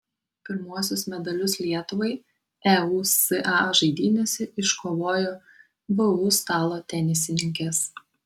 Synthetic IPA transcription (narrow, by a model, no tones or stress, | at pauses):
pʲɪɾmuɔsʲʊsmʲɛd̪ɐlʲʊslʲiɛt̪ʊʋɐɪ | ɛuːsɨʔɑːʒɐɪd̪ʲiːnʲɛsʲɪɪʃkoːʋoːjoː | bɨuːst̪ɑːlˠoːt̪ʲɛnʲɪsʲɪnʲɪŋʲkʲeːs